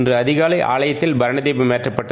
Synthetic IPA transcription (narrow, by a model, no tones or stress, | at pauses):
ndrɯɐðɪɣaːlɐɪʔa̰ːɭɐjɐt̪ːɪlbɐɾɐɳɐðeːbɐmeːtrɐpːɐʈːɐ